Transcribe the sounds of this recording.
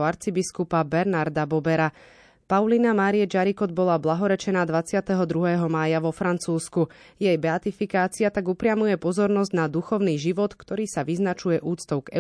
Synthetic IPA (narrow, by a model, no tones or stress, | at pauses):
ɔaɾt͡sibiskupabɛɾnaɾd̪abɔbɛɾa | paʊlinamaːɾiɛd͡ʒaɾikɔd̪̚bɔlablaɦɔɾɛt͡ʃɛnaːd̪ʋat͡sɪat̪ɛɦɔd̪ɾuɦɛːɦɔmaːjaʋɔfɾant͡suːsku | jɛjbɛat̪ifikaːt͡siat̪aɡupɾɪamujɛpɔzɔɾnɔzɟnad̪uxɔʊniːʒiʋɔt̪kt̪ɔɾiːsaʋiznat͡ʃujɛʔuːt͡st̪ɔʊɡ̥ɛ̰